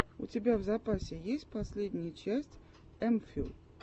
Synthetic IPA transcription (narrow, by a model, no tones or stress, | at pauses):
ʊ̰tʲɪbʲavzɐpasʲɪjesʲt̚ʲpɐsʲlʲed̪ʲnʲɪjət͡ɕæsʲtʲ | ɛmfʲilˠ